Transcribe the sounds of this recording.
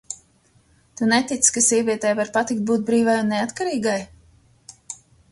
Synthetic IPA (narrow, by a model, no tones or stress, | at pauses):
t̪unet̪it̪skasʲiɛvʲiɛt̪ɛːjvaɾpat̪ik̚t̪̚buːt̪̚bɾiːvajunːeat̪kaɾiːɡaj